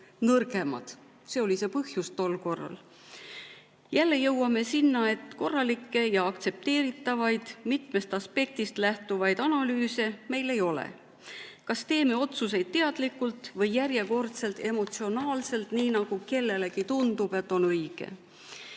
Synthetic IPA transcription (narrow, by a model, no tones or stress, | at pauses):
nɤrɡe̞mɑ̰d̪̥ | se̞o̞lise̞pɤhjust̪o̞lko̞rːɑ̰l | jælːe̞jɤwɑme̞sinːɑe̞t̪ko̞rːɑlikːe̞jɑɑkt̪se̞p̚t̪e̞ːɾit̪ːˑɑvɑjd̪̥mit̪me̞st̪ɑspe̞k̚t̪ist̪læht̪uvɑjd̪̥ɑnɑlyːse̞me̞jle̞jo̞lḛ | kɑst̪e̞ːme̞o̞t̪sus̬e̞jd̪̥̚t̪e̞ɑd̪̥likːˑult̪ˑvɤjːæɾje̞ko̞rt̪se̞lt̪e̞mo̞t̪sio̞nɑːlse̞lt̪ˑniːnɑɡ̥uke̞lːe̞le̞kit̪und̪ub̥e̞t̪ːˑo̞nɤjɡ̥e̞̰